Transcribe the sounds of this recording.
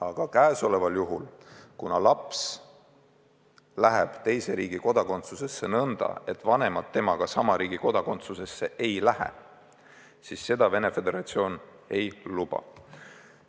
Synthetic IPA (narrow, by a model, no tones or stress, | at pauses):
ɑɡ̥ɑkæːeso̞le̞vɑljuɦṵlkunɑlɑps | læɦeb̥t̪e̞jse̞ɾiːɡ̥iko̞d̪̥ɑko̞nt̪suse̞sːe̞nɤnd̪̥ɑ̰e̞t̪ːˑvɑne̞mɑd̪̥̚t̪ːe̞mɑɡ̥ɑsɑmɑɾiːɡ̥iko̞d̪̥ɑko̞nt̪suse̞sːe̞ʔe̞jlæhḛ | sisːe̞d̪ɑve̞ne̞fe̞d̪e̞ɾɑt̪sio̞ːn | e̞jlub̥ɑ̰